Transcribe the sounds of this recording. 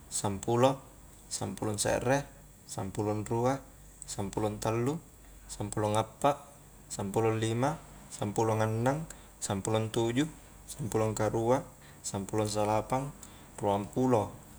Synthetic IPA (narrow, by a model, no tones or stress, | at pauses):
sampulɔ | sampulɔnsɛ̰ʔrɛ | sampulɔnrua | sampulɔnt̪alːu | sampuloŋapːaʔ | sampulɔnlima | sampulɔŋanːaŋ | sampulɔnt̪ud͡ʒu | sampulɔŋkaɾua | sampulɔns̬alapaŋ | ploampulo